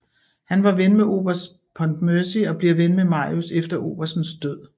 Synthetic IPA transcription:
hænʋɑ̈ʋenmeʔo̝̰ːb̥ɐs | pʰɒ̽nd̥møɐsiɒ̽b̥leɐʋenmemɑ̈ːjusefd̥ɐʔo̝̰ːb̥ɐsn̩sd̥øð̰ˠ

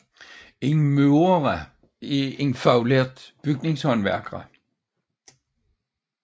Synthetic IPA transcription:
enmøʊɐʁæ | ieŋfɑʊleɐd̪̥b̥yɡ̥ne̝ŋshɒnʋæɐ̰ɡ̥ʁɑ̰

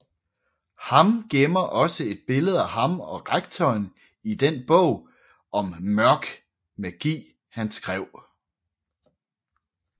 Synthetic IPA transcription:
hɑ̈mɡ̥emɐʔɒ̽səe̝d̥̚b̥e̝ləð̞̩ˠæɦɑ̈mɒ̽ʁaɡ̥̚t͡sʰɒːn | id̥enb̥ɔ̰ʊ̰ | ɒ̽mmɶɐɡ̥ | mæɡ̥ḭː | hænsɡ̥ʁɛʊ̰

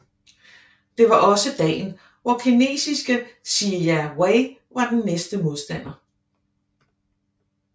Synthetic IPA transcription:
d̥e̝ʋɑ̈ʔɒ̽səd̥ɛ̰ːn | ʋɒkʰine̝̰ːsisɡ̥əsijæweɪʋɑ̈d̥enːesd̥əmo̝ð̞ˠsd̥æn̰ɐ

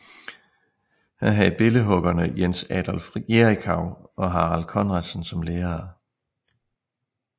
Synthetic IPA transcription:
hænɦæðˠb̥e̝ləɦɔ̽ɡ̥ɐnəjensɛd̥ɒlfʁiɡeʁikʰɑ̈ʊ̰ɒ̽ɦɑ̈ːʁɑlkʰɒ̽nʁɑd̥sn̩sɒ̽mleːɐː

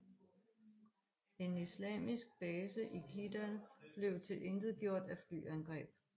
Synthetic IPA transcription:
e̝nislɛ̰ːmisɡ̥̚b̥ɛːsəʔikʰid̥ænb̥le̝ʊt͡sʰe̝lʔe̝nd̥ð̩ˠɡ̥jo̝ɐ̰d̥æfly̰ːænɡ̥ʁɛ̰ːb̥

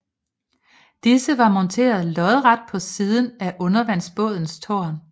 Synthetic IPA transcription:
d̥isəʋɑ̈mɒ̽nt͡sʰe̝̰ːɐð̞̩ˠlɒ̽ðˠʁɑ̈d̥̚pʰɒ̽siːðˠn̩æʔɔ̽nɐʋæn̰sb̥ɔ̽ːð̞ˠn̩st͡sʰo̝̰ɐn

